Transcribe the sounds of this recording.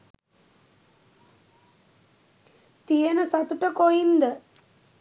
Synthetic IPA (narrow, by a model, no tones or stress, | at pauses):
t̪ijenəsɐt̪uʈəkojind̪ə